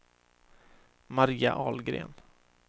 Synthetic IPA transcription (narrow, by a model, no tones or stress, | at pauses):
maɾiːa̰ʔɑːlɡɾḛːn